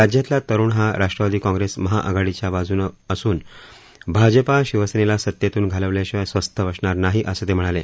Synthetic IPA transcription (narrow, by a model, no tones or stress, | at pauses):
ɾad͡ʑjat̪lat̪əɾuːɳɦaɾaʂʈɾəʋad̪iːkɔ̃ŋɡɾesməɦaʔəɡʱaɽit͡ɕjaʋad͡zuːnəsuːn | bʱad͡ʑəpaɕiʋəsenelasət̪jet̪uːnɡʱaləʋleɕʋasʋəst̪ʰəʋəsɳaɾnaɦiʔəsət̪em̤əɽ̃ale